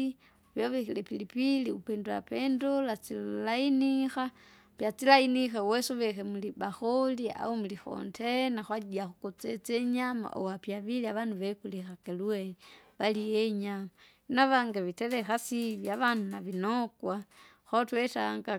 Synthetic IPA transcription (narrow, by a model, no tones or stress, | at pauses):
i | βjoβexilepilipiliupeːndoa̰pendolat͡silainixa | pjat͡silainixewesoβexemulibaxolia̰omulixo̰ntʰenaxwaɟiaxukot͡set͡seɲama̰ʔo̰wapjaβiliaβanduβekulixakelweβalijeɲama | inaβaŋɡeβitelexasiβjaβanunaβinokwa | xotwetaŋɡa